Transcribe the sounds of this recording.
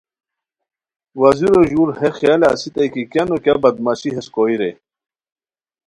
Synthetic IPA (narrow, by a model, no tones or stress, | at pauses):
waziɾoʑuɾhexjalea̰sit̪ajkikjanokjabɐd̪maɕiɦeskoiɾe